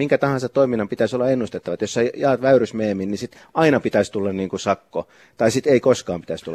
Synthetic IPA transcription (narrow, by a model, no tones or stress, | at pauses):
miŋkæt̪ɑhɑnsɑt̪t̪oiminːɑmpit̪æisolːɑenːust̪et̪ːɑʋɑt̪josːejɑːt̪ʋæyrysmeːminnisit̪ | ɑinɑpit̪æst̪ulːɑnniːŋkusɑkːo̰ | t̪ɑisit̪eikoskɑːmpi̥t̪æst̪ulː